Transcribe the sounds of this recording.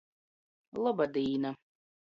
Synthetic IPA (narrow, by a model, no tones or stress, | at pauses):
lˠɔbad̪iːna